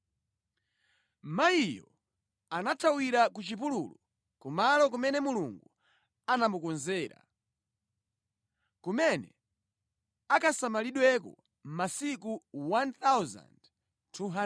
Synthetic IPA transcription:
maijɔ | anatʰawiɾakut͡ʃipulṵlu | kumalɔk̬umɛnɛmuluŋɡu | anamukɔnzɛːɾa̰ | kumɛnɛ̰ | akʰasamaliɗwɛkɔ̰ | m̩masik̬uwant̪awza̰nd | tʰuɦa

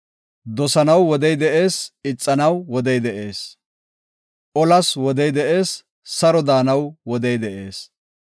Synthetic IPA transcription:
d̪ɔsɐnɐwːɔd̪ɛjd̪ɛʔe̞ːsɪt͡sʼːɐnɐwːɔd̪ɛjd̪ɛʔeːs | ʔɔlɐswɔd̪ɛjd̪ɛʔe̞ːsː | ɐɾɔd̪aːnɐwwɔd̪ɛjd̪ɛʔe̞ːs

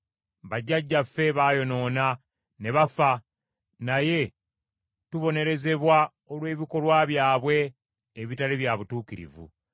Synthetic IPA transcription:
βaɟːaɟːafːe̞βaːjo̞no̞ːna | ne̞βafa | naje̞ | tuβo̞ne̞ɾe̞ze̞βwa | olwe̞ːβiko̞lwaːβjaːβwe̞ː | βitaliβjaβutuːkiɾḭvṵ

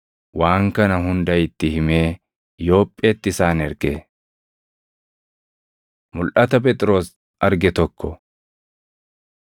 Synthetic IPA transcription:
waːŋkɐnɐɦʊnd̪ɐjɪt̪ːɪhɪme̞ː | jo̞ːpʼːe̞ːt̪ːɪsaːnɛɾkḛː | mʊlʔɐt̪ɐpɛt̪ʼɾo̞ːs | ɐɾɡɛt̪ɔkʰːɔ

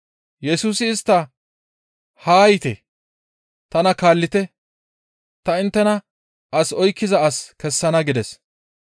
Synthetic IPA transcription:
jɛsuːsɪːst̪ːɐ | haːjɪt̪ɛ̰ | t̪ɐnɐkaːlːɪt̪ɛ | t̪ɐɪnt̪ːɛnɐ | ʔɐsɔjkːɪzɐɐskɛsːɐnɐɡɪd̪ɛs

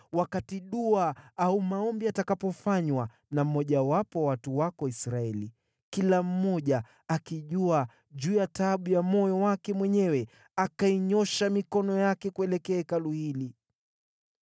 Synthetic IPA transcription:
wakatiɗuaaumaɔmbiatakapɔfaɲwa | nam̩mɔʄawapɔwatuwakɔisɾaɛli | kilam̩mɔʄa | akiʄua | ʄuːjataɓujamɔjɔwakɛmwɛɲɛwɛ | akaiɲɔʃamikɔnɔjakɛkuɛlɛkɛːkaluhili

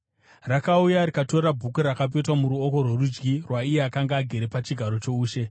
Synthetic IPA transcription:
rakaujaɾikato̞rabʱukuɾakap̬e̞twamuɾuo̞ko̞rwe̞rud͡ʒɡirwaijeakaŋɡaːɡʱe̞ɾepat͡ʃiɡʱaɾo̞t͡ʃo̞uːʃe̞

